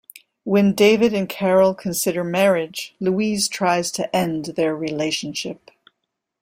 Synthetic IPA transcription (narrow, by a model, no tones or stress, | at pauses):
wɨ̃ndeɪvɨɾɨ̃nkʰɛɹl̩ˠkʰɨ̃n̩sɪɾə˞mɛɹɪ̥d͡ʒluiz̥tʰɹ̥aɪz̥tʰɨʔɛ̃nðə˞ɹileɪʃɨ̃n̩ʃɪp̚